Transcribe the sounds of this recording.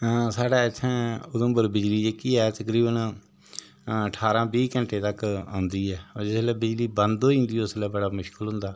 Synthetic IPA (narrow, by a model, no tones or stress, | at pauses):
saːɽaːɪt͡ʃ̪ʰɛ̃ːʊd̪ə̃mbəɾbɪd͡ʒliːd͡ʒekiːɛːt̪əkɾiːbən | əʈʰaːɾãːbiːkə̃ɳʈeːt̪əkã̰ːnd̪iːɛːd͡ʒɪslɛːbɪd͡ʒliːbə̃nd̪oːĩnd̪iːoslɛːbəɽaːmʊʃkəlɦʊ̃nd̪aː